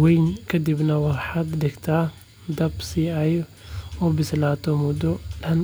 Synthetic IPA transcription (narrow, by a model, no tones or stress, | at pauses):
wɛjnkʰɐd̪ibnɐwɑrħaːd̪ɖɪɡt̪ʰaː | d̪ɐbsiaj | ɔbɪslaːt̪ʰɔmʊd̪ɔɖɐn